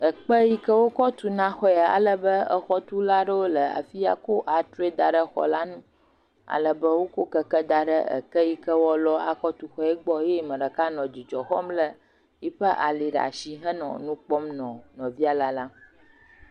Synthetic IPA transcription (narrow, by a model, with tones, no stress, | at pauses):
ə˨k͡pə˦ji˦kə˦wo˦kɔ˦t̪u˨nã˦xɔ˦jɛ˨a̰˨lə˦bə˦ə˦xɔ˦t̪u˦la˦ɖə˦wo˦lə˨a̰˨fi˦a̰˨ko˦ʔa˨t̪ɾe˦d̪a˨ɖə˦xɔ̰˨la˦nũ˦ | a̰˨lə˨bə˦wo˦ko˦kə˦kə˦d̪a˨ɖə̰˦ə̰˨kə˦ji˦kə˦wɔ˦lɔ˦a˨kɔ˦t̪u˦xɔ˦ɛ˦ɡ͡bɔ˦je˦mə̃˨ɖə˨ka˦nɔ̃˨d͡ʒi˨d͡ʒɔ˨xɔ˦mlə˦ | ji˦ɸə˦ʔa˨li˨ɖa̰˨ʃi˦ɦə˦nɔ̰̃˨nũ˦k͡pɔ˦mnɔ̃˨nɔ̃˨vi˦a˨la˦la˦